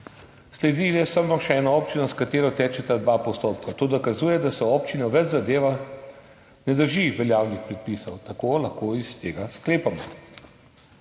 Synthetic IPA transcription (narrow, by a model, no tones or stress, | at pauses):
slɛd̪ilɛsəmɔʃɛɛːnɔɔːpt͡ʃinɔskat̪eːɾɔt̪ɛːt͡ʃɛt̪ad̪ʋaːpɔst̪oːpkat̪oːd̪ɔkazuːjɛd̪asɛɔːpt͡ʃinɔʋɛd͡ʒzad̪eːʋa | nɛd̪əɾʒiʋɛljaːwnixpɾɛt̪̚pisɐwt̪akoːlaxkoist̪eːɡaskleːpamɔ